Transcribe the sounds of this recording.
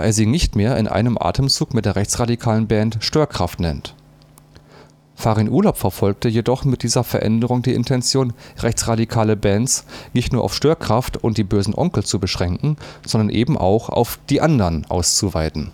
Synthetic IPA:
aʔeːɐziːnɪçtmeːɐʔɪnʔa̰ɪnəmʔa̰ːtʰəmt͡suːkmɪt̚d̥eːɐʁɛçt͡sʁ̥adikʰaːlənbɛːntʃtøːɐkʁ̥aftnɛnt | faːʁinʔuːɐlaʊpfɛɐfɔlk̚təjedɔχmɪt̚d̥iːzɐfɛɐʔɛ̰ndəʁʊŋdiːʔɪ̰ntʰɛnt͡sjoːnʁɛçt͡sʁ̥adikʰaːləbɛːnt͡snɪçtnuːɐʔaʊfʃtøːɐkʁ̥aftʊ̰ntd̥iːbøːzn̩ʔɔ̰ŋkl̩t͡subəʃʁ̥ɛŋkŋ̩z̥ɔndɐnʔeːbm̩ʔa̰ʊxʔa̰ʊfd̥iːʔandɐʁnʔa̰ʊst͡suvaɪtn̩

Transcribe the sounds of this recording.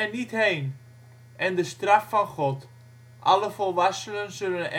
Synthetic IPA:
ɛnithejn | ʔɛndəstraffɑnχɔt | ʔɑ̰ləfɔlˠʋasələnsɵlənɛ

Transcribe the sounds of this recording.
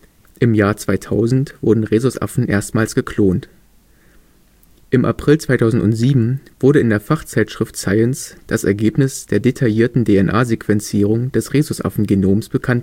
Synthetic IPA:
ʔɪmjaːɐt͡sv̥aɪtʰaʊzn̩tv̥ʊɐdn̩ʁeːzʊsʔa̰fn̩ʔḛːɐstmaːlsɡ̥əkʰloːnt | ʔɪmʔa̰pʁ̥ɪlt͡sv̥aɪtʰaʊzn̩tʊntz̥iːbm̩v̥ʊɐɾəɪndeːɐfaχt͡saɪtʃʁ̥ɪftsaɪɛnsd̥asɛɐɡeːpnɪsd̥eːɐdetʰajiːɐtn̩deːɛnʔa̰ːzekv̥ɛnt͡siːʁ̞ʊŋd̥ɛsʁeːzʊsʔa̰fn̩ɡenoːmsb̥əkʰant

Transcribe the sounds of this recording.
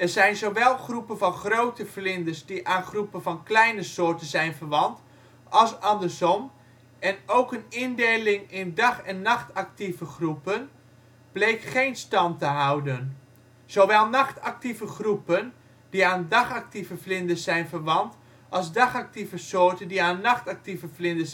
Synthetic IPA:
ɛrzɛjnzoʋɛlˠχrupənvɑnχrowtəflɪndəsdiʔaːnχrupəvɑnklɛjnəsoːɹtənzɛjnvəɹʋɑnt | ɑlˠsɑndərsɔm | ɛnowkənɪndejlɪŋɪndɑχɛnːɑχtak̚tivəχrupən | b̥lejkχejnstɑntəɦawdən | z̥oʋɛlˠnɑχtɑk̚tivəχrupən | d̥iaːndɑχak̚tivəflɪndəsːɛjnvərʋɑnt | ʔɑlˠzdɑχak̚tivəsoːɹtəndiaːnːɑχtak̚tivəflɪndəs

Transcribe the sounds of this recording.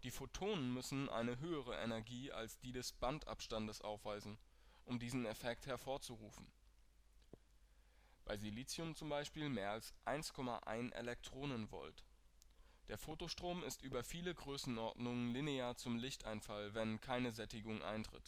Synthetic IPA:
d̥iːfotʰoːnənmʏsn̩ʔa̰ɪnəɦøːəʁ̞əʔɛnɛɐɡiːa̰lsd̥iːdɛsb̥antʔa̰pʃtandəsʔa̰ʊfv̥aɪzn̩ | ʔʊmdiːzn̩ɛfɛkthɛɐfoːɐt͡suʁuːfn̩ | b̥aɪziliːt͡siʊmt͡sʊmbaɪʃpiːlmeːɐalsʔaɪnskʰɔma̰ʔa̰ɪnʔḛlɛk̚tʁ̥oːnənvɔ̰lt | d̥eːɐfoːtoʃtʁ̥oːmɪstʔyːbɐfiːləɡʁøːsn̩ʔɔɐdnʊŋənlineaːɐt͡sʊmlɪçtaɪnfalvɛnkʰaɪnəzɛtɪɡʊŋʔa̰ɪntʁ̥ɪ̰t

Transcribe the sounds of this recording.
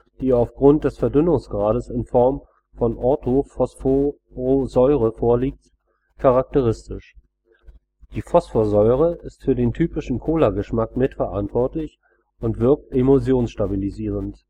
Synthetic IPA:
d̥iːaʊfɡ̥ʁʊnt̚d̥ɛsfɛɐdʏnʊŋsɡ̥ʁaːɾəsɪnfɔɐm | fɔnʔɔɐtʰofɔsfo | ʁozɔʏʁ̞əfoːɐliːk̚t | kʰaʁak̚təʁ̞ɪstɪʃ | d̥iːfɔsfoɐzɔʏʁ̞əʔɪstfyːɐdeːntʰyːpɪʃn̩kʰoːlaɡəʃmakmɪtfɛɐʔantv̥ɔɐtlɪç | ʊntv̥ɪɐk̚temozjoːnsʃtabiliziːʁənt

